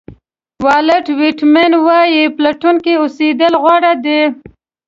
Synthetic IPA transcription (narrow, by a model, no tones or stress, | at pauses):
wɑləʈwɪʈmenwɑjiplaʈunkiʊsed̪əlɣwaɽad̪e